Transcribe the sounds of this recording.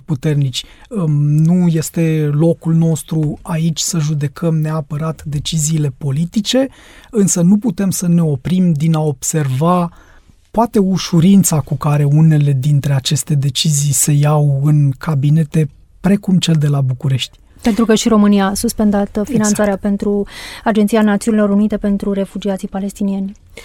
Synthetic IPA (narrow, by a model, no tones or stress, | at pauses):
put̪e̞rnit͡ʃʲ | nuje̞st̪e̞lo̞kulno̞st̪ɾuait͡ʃʲsəʒud̪e̞kʰəmneapəɾat̪d̪e̞t͡ʃiziːle̞po̞lit̪it͡ʃe̞ | ɨnsənuput̪e̞msəne̞o̞pɾimd̪inao̞bse̞rva | poat̪e̞uʃuɾint̪sakukaɾe̞une̞le̞d̪int̪ɾe̞at͡ʃe̞st̪e̞d̪e̞t͡ʃizijse̞jawɨnkʰabine̞t̪e̞ | pɾe̞kumt͡ʃe̞ld̪e̞labukuɾe̞ʃt̪ʲ | pe̞nt̪ɾukəʃiɾo̞mɨnijaːsuspe̞nd̪at̪finant̪saɾeape̞nt̪ɾuad͡ʒent̪sijanat̪siunilo̞ɾunit̪e̞pe̞nt̪ɾuɾe̞fud͡ʒiat̪sipale̞st̪inienʲ